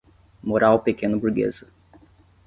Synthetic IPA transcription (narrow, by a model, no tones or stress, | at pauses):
moɾawpekẽnʊbuɾɡḛzɐ